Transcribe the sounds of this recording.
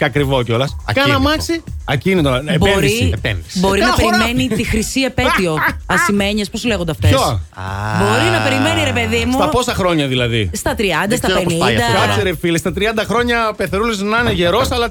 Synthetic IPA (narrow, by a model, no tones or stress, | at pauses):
cɐkɾivoco̞lɐskɐnnɐmɐksiɐcinit̪onɐebeoɾipnsbo̞ɾinɐpeɾime̞nit̪ixɾisiepet̪io̞ɐnsime̞ɲesposle̞ɣond̪ɐft̪eos | bo̞ɾinɐpe̞ɾime̞niɾe̞peðimsut̪ɐpo̞sɐxɾo̞ɲɐðilɐðist̪ɐt̪ɾiɐnd̪ɐst̪ɐenid̪ɐɐkseɾefilest̪ɐt̪ɾiɐnd̪ɐxɾo̞ɲɐpeθeɾuliznɐneʝe̞ɾo̞sɐlɐ